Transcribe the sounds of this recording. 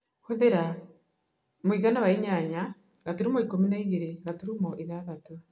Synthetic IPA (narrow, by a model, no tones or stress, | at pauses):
hoðeɾa | moiɣanaβaiɲaɲa | ŋɡatuɾumɔikominaiɣeɾeɡatuɾumɔʔiðaβato